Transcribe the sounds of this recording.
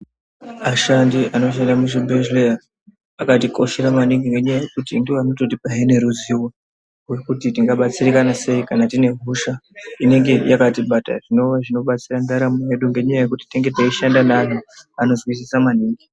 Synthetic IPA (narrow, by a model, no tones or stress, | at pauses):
aʃandiʔano̞ʃ̬andamuʐibʱeʒleaː | katiko̞ʃe̞ɾamaniŋɡiŋɡe̞ɲajaje̞kutinɡiʋano̞to̞tipaɦene̞ɾuziwo | ɦwe̞kutitiŋɡaɓat͡sirikanase̞ikanatine̞ɦuʃaine̞ŋɡe̞jakatiɓata̰ʐ̥ino̞ʋaʐino̞ɓat͡sirandaɾamuɦe̞ɗuŋɡe̞ɲajaje̞kuti̥teŋɡe̞taiʃandanan̤uano̞zwisisamaniːŋɡi